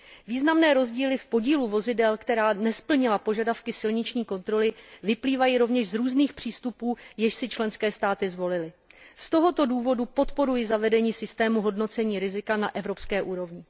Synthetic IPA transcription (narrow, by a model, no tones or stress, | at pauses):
viːznamnɛːɾo̞zɟiːlɪfpo̞ɟiːluvo̞zɪdɛlkt̪ɛɾaːnɛspl̩ɲɪlapo̞ʒadafkɪsɪlɲɪt͡ʃɲiːko̞nt̪ɾo̞lɪvɪpliːvajiɾo̞vɲɛʃzɾuːzniːxpr̝̥iːst̪upuːjɛʃsɪt͡ʃlɛnskɛːst̪aːt̪ɪzvo̞lɪlɪst̪o̞ɦo̞t̪o̞duːvo̞dupo̞t̪po̞ɾujɪzavɛdɛɲiːsɪst̪ɛːmuɦo̞dno̞t͡sɛɲiːɾɪzɪkanaʔɛvɾo̞pskɛːʔuːɾo̞vɲɪ